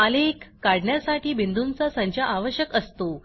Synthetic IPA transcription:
əlekːaɽɳjasaʈiːbind̪unt͡sasə̃ɲt͡ɕaʔaʋəɕjəkəst̪o

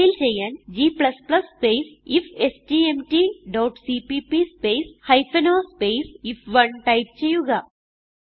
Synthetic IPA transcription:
ilt͡ɕejːaːnd͡ʑiːplɐsplɐsːpeːsifesʈiːemʈiɖɐːʈsipipispeːshɐjfʰɐnoːspejsifʋɐɳʈɐjp̚t͡ɕejːuɣɐ

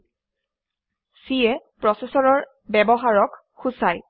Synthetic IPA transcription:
siɛpɹɔsesɔɹɔɹ | bɛbɔɦaɹɔk | xusaj

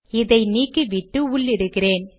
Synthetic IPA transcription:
ɪðɐɪniːkːɯʋɪʈːɯʊɭɪɾɯkːɪreːn

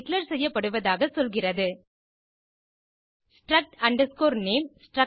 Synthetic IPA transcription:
klɐɾsɛjːɐpːɐɽɯʋɐðaːɣɐsɔlɣɪrɐðɯ | sʈɾɐk̚ʈɐɳɖɐskoːɾneːmsʈrɐ

